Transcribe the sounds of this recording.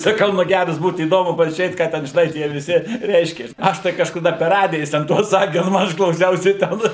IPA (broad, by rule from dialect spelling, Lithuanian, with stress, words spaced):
sɐˈkɐʊ ˈnʊ ˈɡʲærɐs ˈbuːt iːˈdoːmʊ pɐʒʲuːˈrʲeːt ˈkɑː ˈtʲɛn ʒʲɪˈnɐɪ ˈtʲiɛ ʋʲɪˈsʲɪ ˈrʲɛɪʃʲkʲɛs ˈɐʃ tɐɪ kɐʃkɐˈdɐ pʲɛr ˈrɑːdʲɪjɛ ˈjɪs tʲɛn ˈtuɔs ˈsɑːkʲɪ nʊ ˈɐʃ klˠɐʊˈsʲɛʊsʲɪ ˈtʲɛn